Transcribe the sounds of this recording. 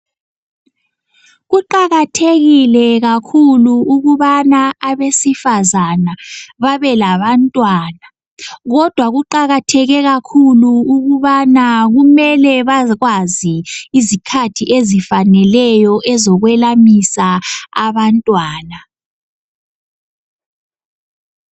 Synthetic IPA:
ɣuǃaɣatʰeɣilɛɣakʰuluːɣuβanaaβesifazanaβaβɛlaβantʼwaːna | ɣɔd̥ʱwaɣuǃaɣatʰɛɣɛɣakʰuluuɣuβanaɣumɛlɛβaɣwaziizikʰatʰiʔezifanɛlɛjɔʔɛzɔɣwɛlamisaaβantʼwaːna

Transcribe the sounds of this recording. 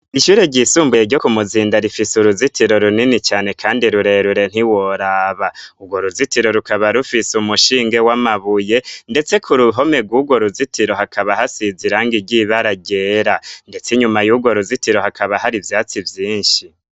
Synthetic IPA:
iʃuːɾeɟisuːmbwejeɾɟo̞kumuziːndaɾifisuɾuzitʰiɾo̞ɾuninit͡ʃaːne̞kʰaːndiɾuɾe̞ɾuɾe̞n̥iwo̞ɾaːβauɡwo̞ɾuzitiɾo̞ɾukaβaɾufisumuʃiːŋɡe̞wamaβuje̞nde̞t͡se̞kʰuɾuɦo̞me̞ɡwuɡwo̞ɾuzitiɾo̞ɦakaβaɦasiziɾaːŋɡiɾɟiβaɾaɟe̞ːɾande̞t͡siɲumajuɡwo̞ɾuzitiɾo̞hakʰaβaɦaɾivjaːt͡sivjiːnʃi

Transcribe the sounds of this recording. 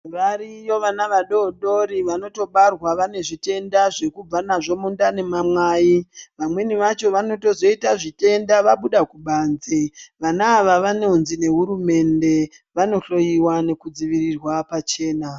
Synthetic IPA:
raɾijo̞ʋanaʋaɗo̞ɗo̞ɾiʋano̞to̞ɓarwaʋane̞ʐite̞ndaʐe̞kub͡vanaʐo̞mundane̞mamwaːjiʋamwe̞niʋat͡ʃo̞ʋano̞to̞zo̞itaʐite̞ndaʋaɓuɗakuɓanzeʋanaːʋaʋaneunzine̞ɦuɾume̞nde̞ | ʋano̞ɬo̞jiwane̞kud͡ziʋirirwapat͡ʃe̞ːna

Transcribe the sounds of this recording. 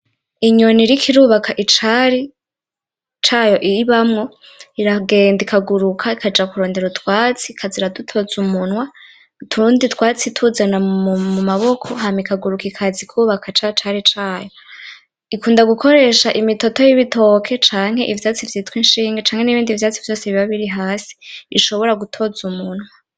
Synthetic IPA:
iɲo̞niɾikʰiɾuːβakʰaʔit͡ʃaɾi | t͡ʃaːjo̞ʔiiβamŋo̞ | iɾaɡe̞ːndikʰaɡuɾukʰaikad͡ʒakuɾoːnde̞ɾutwaːt͡sikʰaziɾadutʰo̞zumun̥wa | tʰuunditwaːt͡sitʰuzanamumaβo̞kʰo̞ɦamikaɡuɾukikʰazikʰuːβakʰat͡ʃat͡ʃaɾit͡ʃaːjo | ikuːndaɡukʰo̞ɾe̞ːʃaʔimito̞to̞jiβito̞kʰe̞t͡ʃaːŋ̥he̞̰ʔivjaːt͡sivjitwiːnʃiːŋɡet͡ʃaːŋhe̞niβiːndivjaːt͡sivjo̞ːseβiβaβiɾiɦaːsi̥iʃo̞βo̞ɾaɡutʰo̞zumun̥wa

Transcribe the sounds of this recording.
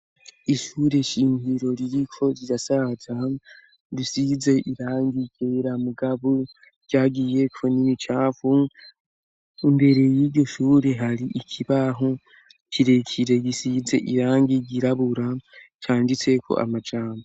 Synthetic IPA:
iʃuːɾe̞ʃiːɲɡiɾo̞ɾiɾikʰo̞ɾiɾasaza | ɾisize̞ʔiɾaːŋɡikeɾamuɡaβu̥ | ɟ̥aːɡiːje̞kʰo̞nimit͡ʃaːvu | imbe̞ɾe̞jiːɾɟo̞ʃuːɾe̞ɦaɾiʔikʰiβaɦo | kʰiɾe̞kʰiɾe̞ɡisize̞ʔiɾaːŋɡiɡiɾaβuɾat͡ʃaːndit͡se̞kʰo̞̰ʔa̰mad͡ʒaːmo

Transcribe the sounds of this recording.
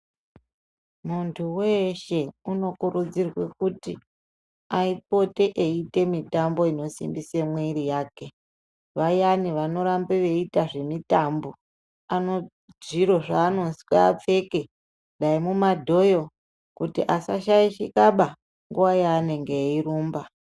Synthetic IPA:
muntʰuweʃe̞uno̞kuɾud͡zirwe̞kuti | aip̚o̞te̞ʔeitemitambo̞ino̞sḭmbisemweiɾijaːke̞ | ʋajaniʋano̞ɾambeʋe̞itaʐe̞mitambo̞ | ano̞ | ʐiɾo̞ʐaːno̞si̥kaːp͡fe̞ke̞ | ɗaimumadʱo̞jo̞ | kutiʔasaʃajiʃikaɓa | ŋɡuwajaːneŋɡeiɾuːmba

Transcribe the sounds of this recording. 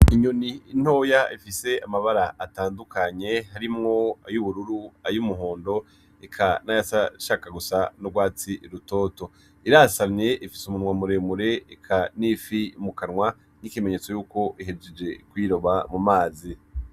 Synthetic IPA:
iɲoniin̥ho̞jaʔifise̞amaβaɾaʔːtaːndukaɲe̞ɦaɾimŋo̞ajuβuɾuɾuajumuɦoːndo̞ | ekʰanajasaʃaːkaɡusanoɡwaːt͡siɾuto̞ːto̞ | iɾasamɲe̞ʔifisumunwamuɾemuɾe̞ekʰanifimukanŋwa | nikimeɲet͡so̞juːko̞ʔiɦed͡ʒed͡ʒe̞kwiːɾo̞βamumaːzi

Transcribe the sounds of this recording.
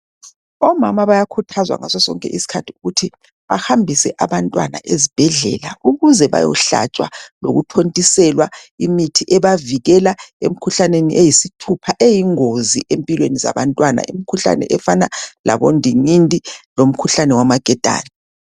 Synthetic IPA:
ɔmamaβajakʰutʰazwa̰ŋasɔsɔ̰ŋkʼɛ̰ʔisi̥kʰatʰiuɣutʰi | βahambʱisɛʔaβantʼwa̰na̰ʔezib̥ʱɛɮɛ̰lauɣuzɛβa̰jɔ̰ɬa̰t͡ʃʼwa̰lo̰ɣutʰontʼisɛlwaimitʰiʔɛβaviɣɛlaḛm̩kʰuɬanenḭʔejisitʰupʰaʔejiŋoziʔempʼilweniza̰βantʼwana̰ḭmikʰuɬa̰nɛ̰ʔɛfanala̰βondʱiŋindʱʼilom̩kʰuɬanɛwamaɡ̥ʱɛd̥ʱa̰ːni

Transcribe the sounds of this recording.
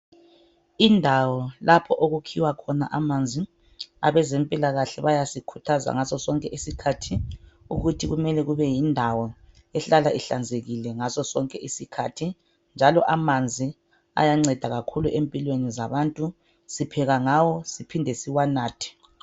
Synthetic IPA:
indʱawɔlapʰɔʔoɣukʰiwakʰɔnaʔamand͡zʱi | a̰βɛzɛmpʼilaɣaɬɛβajasikʰu̥tʰaza̰ŋasɔsɔŋkʼɛʔisikʰatʰiṵɣutʰiɣumɛlɛɣuβɛjindʱawɔ | ɛɬalaʔiɬand͡zʱeɣilɛŋasɔsɔŋkʼɛʔisikʰatʰi | nd͡ʒʱalɔʔamand͡zʱi | a̰jaŋ͡ǀɛd̥ʱaɣakʰuluʔempʼilwenizaβantʼu | sipʰɛɣaŋawɔsipʰindʱɛsiwanaːtʰɛ̥

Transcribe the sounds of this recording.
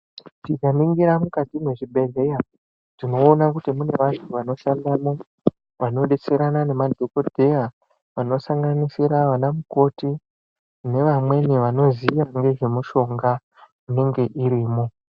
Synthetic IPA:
tikamiŋɡiɾamukatimweʐibʱe̞ɮe̞ja | ʐ̥ino̞ːnakutimune̞ʋantʰuʋano̞ʃandamo | ʋano̞ɗet͡se̞ɾanane̞madʱo̞ko̞d̥ʱe̞ja | ʋano̞saŋɡanisiɾaʋanamuko̞ti | ne̞ʋamwe̞niʋano̞ziʋaŋɡe̞ʐe̞muʃo̞ŋɡa | une̞ŋɡe̞ʔiɾiːmo

